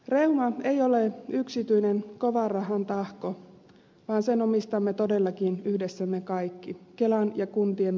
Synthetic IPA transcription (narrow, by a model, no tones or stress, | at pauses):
reumɑeio̞leyksit̪yinenko̞ʋɑrɑɦɑnt̪ɑhko | ʋɑːnsenomist̪ɑmːet̪o̞de̞lːɑkinyhdesːæmːekɑikːikelɑnjɑkunt̪iem